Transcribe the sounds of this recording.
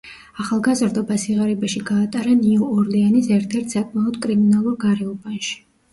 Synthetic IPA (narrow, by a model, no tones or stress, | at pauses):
aχalˠɡazɾd̪ɔbasiʁaɾɛbaʃiɡaːt̪ʼaɾaniɔɔɾd̪ɛanisɛɾt̪ʰɛɾt̪ʰsakʼmaɔd̪kʼɾiminalˠuɾɡaɾɛɔbanʃi̥